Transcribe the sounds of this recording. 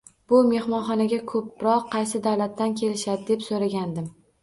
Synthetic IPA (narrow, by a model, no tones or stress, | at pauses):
b̥ʊme̞hmɒnχɒnaɡʲakʰɵp̚ɾɒqʰːɑjsɪd̪awlat̪ːankʲʰe̞lɪʃad̪ɪd̪e̞psoɾaɡʲand̪ɪm